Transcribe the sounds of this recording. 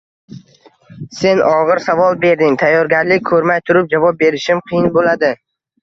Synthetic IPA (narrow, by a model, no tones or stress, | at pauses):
se̞nʔɒʁɨɾsavɒlˠbe̞ɾd̪ɪŋt̪ʰajːɒɾɡʲaɾlɪk̚ʲkʰɵɾmajt̪ʰʊɾɪp̚d͡ʒavɒp̚be̞ɾɪʃɪmqʰɨjɪnbolad̪ɪ